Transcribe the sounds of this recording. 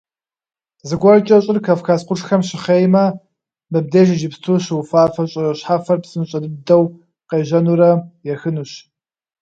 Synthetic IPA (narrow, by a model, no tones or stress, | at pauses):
zɨɡʷɐrt͡ʃʼɐɕʼɪrkʰaːfkʰaːsqʷʊrxɐmɕɪχeːjmɐ | mɨb̚deːʒɪʒɪpstʰuɕwfaːfɐɕʼɪrɐɕħaːfɐrpsɨnɕʼɐdɨdɐw | qeːʑɐnuːɾɐjɛxɨnuːɕ